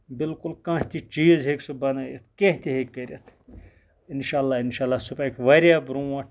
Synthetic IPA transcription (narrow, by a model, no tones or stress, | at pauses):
bɪlkulkãʃt̪it͡ʃiːzɦeksubɐnaːjɐt̪ʰkeɦt̪ʲiɦekːɐɾʲɐt̪ʰ | inʃaːlːaːinʃaːlːaːsupaːjkʲʋɐɾjaːbɾũːɐʈ